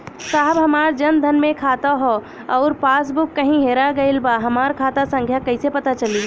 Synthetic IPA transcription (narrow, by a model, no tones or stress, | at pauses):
saːɦbɦɐmaːɾd͡ʒɐnd̪ʱɐnmẽkʰaːt̪aɦo | ɔːɾpaːs̬bʊkːɐɦĩɦeːɾaɡɐɪlbaɦɐmaːɾkʰaːt̪asɐ̃ŋɡʱjakɐɪsepɐt̪at͡ʃɐliː